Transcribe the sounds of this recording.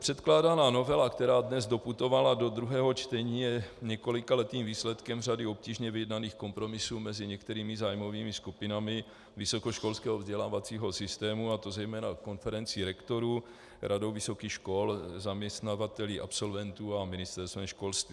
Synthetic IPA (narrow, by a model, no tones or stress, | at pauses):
pr̝̥ɛt̪klaːdanaːno̞vɛlakt̪ɛɾaːdnɛzdo̞put̪o̞valado̞d̪ɾuɦɛːɦo̞t͡ʃt̪ɛɲiːjɛɲɛko̞lɪkalɛt̪iːmviːslɛt̪kɛmradɪo̞pciːʒɲɛvɪjɛdnaniːxko̞mpɾo̞mɪsuːmɛzɪɲɛkt̪ɛɾiːmɪzaːjmo̞viːmɪskupɪnamɪ | vɪso̞koʃko̞lskɛːɦovzɟɛlaːvat͡siːɦo̞sɪst̪ɛːmuat̪o̞zɛjmɛːnako̞nfɛɾɛnt͡sɪɾɛkt̪o̞ɾu | ɾʔadowvɪso̞kiːxʃko̞lzamɲɛst̪navat̪ɛliːʔapso̞lvɛnt̪uːamɪnɪst̪ɛɾst̪vɛmʃko̞lst̪viː